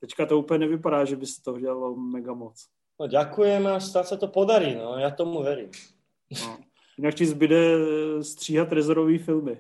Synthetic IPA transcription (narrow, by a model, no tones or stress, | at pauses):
t̪ɛckat̪ouːplɲɛnɛvɪpadaːʒɛbɪsɛ̥t̪oɦoɟɛlalomɛɡamot͡s | noɟakujɛmast̪aːsat̪opod̪aɾiːnojaːt̪omuʋɛɾḭːm | no | jɪnakcɪzbɪdɛst̪r̝̥iːɦat̪ɾɛzoɾoviːfɪlmɪ